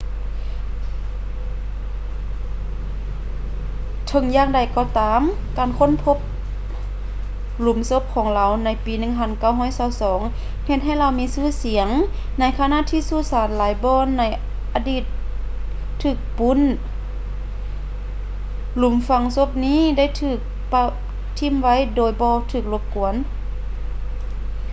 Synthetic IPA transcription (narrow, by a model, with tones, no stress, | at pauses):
t̪ʰɤ˧˥ŋjaː˧˨ŋda˨˩jkɔː˧˩t̪aː˨˦m | kaː˨nkʰo˧˥˨npʰo˧˥p̚ | lu˨˦mso˧˥˦p̚kʰɔː˨˦ŋla˧˩wna˧˥jpiː˨˦nɯ˧˨ŋpʰa˧˥˨nka˧˩˨wɦɔː˧˥˨jsaː˧˩wsɔː˨˦ŋ | he˧t̪̚ɦa˧˩jla˧wmiː˧˥˨sɯː˧˩˨si˨˩˦əŋ | na˧˨jkʰa˧na˧˨ʔt̪ʰiː˧˨suː˧˩˨saː˨˦nlaː˨˦jbɔː˧˨nːa˧˥˩j | ʔaː˨diː˧˩t̪̚ʰː | ɯː˧˩k̚pu˧˥˨n | lu˨˦mfa˧ŋso˧˥p̚niː˧˥˨da˧˥˩jt̪ʰɯː˧˩k̚ | pa˧ | t̪ʰi˧˥˨mʋa˧˥˨jdoː˨˩jbɔː˧t̪ʰɯː˧˩k̚lo˧˦p̚ku˨˦ən